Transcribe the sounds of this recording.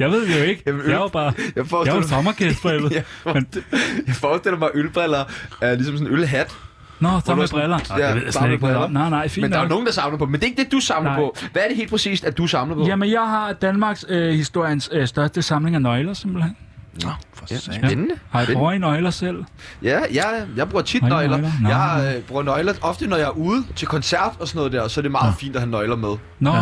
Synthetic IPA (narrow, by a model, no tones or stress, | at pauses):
jɑ̈ɪʋe̝ð̞̰ˠjoe̝ɡ̥əmjaɪɑb̥ɑ̈ːjfjɑʋɑt͡sʰɒ̽mɐkʰesd̥̚b̥ʁɛlð̩ˠmenjɑ̈ɪfɒːsd̥el̰ɐmɑ̈ɪʔølb̥ʁɛlɐæɐlisɔmsɔnølɦæd̥ | nɔt͡sʰɒɐb̥ʁɛlɐeð̰ˠjasɛdeɡ̥̚ɔnɑɪ̰nɑ̈ɪ̰fḭːmnd̥ɑno̝ːŋn̩d̥ɑ̈sɑ̈mlɐpʰɒ̽mend̥e̝eɡ̥̚d̥ed̥usɑ̈mlnɐpʰɔ̽ʋæɐd̥ehe̝ːl̥pʁɛsḭːsd̥æd̥usɑ̈mlɐpjæmenjɑ̈ɪɦɑ̈d̥ænmɑ̈ːɡ̥shisd̥o̝ɐ̰jənssd̥ɶɐsd̥əsɑ̈mle̝ŋænɒ̽ɪlɐse̝m̰b̥l̩hen̰ | sennəhɑ̈jbʁuɐinɒɪlɐsel̰jæjɑjɑ̈ɪb̥ʁuɐt͡sʰidnlɐlɐnjɑ̈ɪhɑ̈b̥ʁuɐnɒ̽ɪlɐʔɒ̽fd̥ənɒjɑ̈æɐuːð̩ˠt͡sʰe̝lkʰɒnsæɐ̰d̥ɒsɔnɔð̩ˠd̥eɐ̰sɒ̽æɐɾ̥e̝mɑ̈ːð̩ˠfḭːnd̥æhænːɒ̽ɪlɐmeðˠ | nɔ